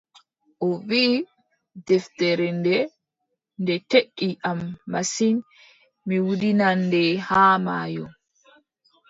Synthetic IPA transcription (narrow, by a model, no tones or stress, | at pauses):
ʔɔviː | dɛfteɾɛndɛ | ndɛteɗːiʔamːasin | miwudinandɛhaːma̰ːjɔ